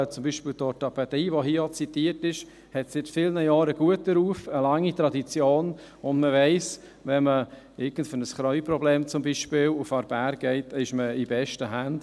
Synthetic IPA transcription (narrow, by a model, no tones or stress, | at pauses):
t͡sʊmbiːʃpiːltɔtɑpɛd̥iːvoɦiəot͡sitiːɾtɪʃ | hɛtsɪtfɪlnəjɑːɾəɡ̥uətəɾuːfəlɑŋːitɾɑdit͡sjoːn | ʊndməvɛɪs | vɛnmə | ɪɡən̩tfønəsχɾɔʏprɔbleːmt͡sʊmbiʃpɪːlufɑɾbæːɾɡ̥ɛɪtɪʃməibɛʃtəɦænd̥